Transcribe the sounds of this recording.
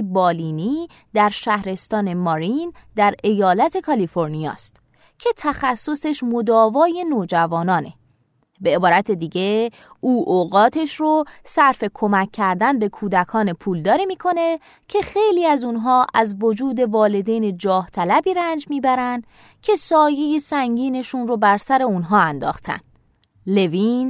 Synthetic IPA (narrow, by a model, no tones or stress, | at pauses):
bɒːliːniː | d̪æɾʃæhɾe̞st̪ɒːne̞mɒɾind̪æɾe̞jɒːlæt̪ʰe̞kʰɒlifo̞ɾnijɒ̰ːst̪ | cʰe̞t̪ʰæxæsːo̞se̞ʃmo̞d̪ɒːvɒːje̞noːd͡ʒævɒːnɒːne̞ | be̞ːbɒːɾæt̪ʰe̞d̪iːɟe̞ | uːʔoɣɒːt̪ʰe̞ʃɾosæɾfe̞kʰo̞mækʰːæɾd̪ænbe̞kʰuːd̪ækʰɒːne̞pʰuːld̪ɒːɾiːmiːkʰo̞ne̞ | cʰe̞xe̞jliːæzunɦɒːʔæzvod͡ʒuːd̪e̞vɒːle̞d̪eːned͡ʒɒːht̪ʰælæbiːɾænd͡ʒmiːbæɾænd̪̥ | cʰe̞sɒːjejesæŋɟiːne̞ʃunrobæɾsæɾe̞unɦɒːænd̪ɒ̰ːxt̪ʰæ̰nd̪̥ | le̞viːn